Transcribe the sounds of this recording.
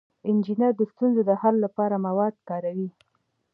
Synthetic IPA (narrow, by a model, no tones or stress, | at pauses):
ɪnd͡ʒinəɾd̪əst̪unzod̪əhalːapɑɾamawɑd̪̚kɑɾawi